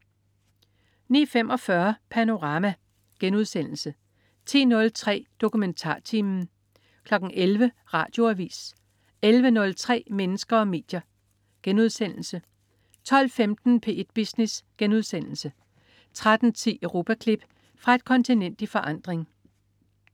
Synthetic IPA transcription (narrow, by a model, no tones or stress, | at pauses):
nḭːfem̰ʔɒ̽fɶɐpʰæno̝ʁɑ̈ːmæ | ɡ̥enuð̞ˠsen̰l̩sə | t͡sʰḭːnɔ̽lt͡sʰʁɛ̰ːd̥o̝kument͡sʰɑ̰̈ːt͡sʰiːmn̩ | kʰlɒ̽ɡ̥n̩ʔelʋə | ʁɑ̈ːd̥jo̝æʋḭːs | elʋənɔ̽lt͡sʰʁɛ̰ːmenəsɡ̥ɐɒ̽me̝̰ːd̥jɐ | ɡ̥enuð̞ˠsen̰l̩sə | t͡sʰɒ̽l̰femd̥n̩pʰe̝̰ːe̝d̥̚b̥isnesɡ̥enuðˠsen̰l̩sə | t͡sʰʁad̥n̩t͡sʰḭːʁo̝ːpʰækʰlib̥ | fʁɑ̈e̝d̥̚kʰɒ̽nt͡sʰinen̰d̥ifɒ̽ʔɑ̈n̰d̥ʁeŋ